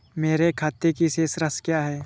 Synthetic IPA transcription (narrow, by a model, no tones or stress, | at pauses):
meːɾekʰaːt̪ːekiseːsɾəskjaːɦɛː